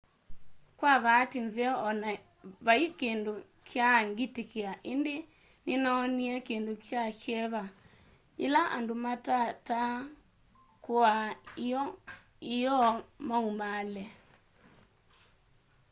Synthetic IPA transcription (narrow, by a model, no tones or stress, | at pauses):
kwaβatinzeɔɔna | βaikendo | kʰjaŋɡitekeaʔende | nenaːniɛkendokjakɛβa | ɲelaʔa̰ndomatata | koaɔ | ijɔmaumalɛ